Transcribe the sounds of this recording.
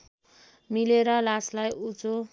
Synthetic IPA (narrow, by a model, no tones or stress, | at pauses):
mileɾʌlaslajut͡so